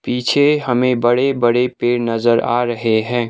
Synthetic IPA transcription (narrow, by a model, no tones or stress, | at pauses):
piːt͡ʃʰeɦəmẽbəɽebəɽepeːɾnəzəɾa̰ɾəɦeɦɛ̃ː